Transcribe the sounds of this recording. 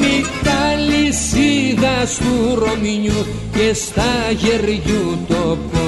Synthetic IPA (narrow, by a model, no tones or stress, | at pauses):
mit̪alisiɣaskuromiɲu | kest̪aʝeɾjut̪opo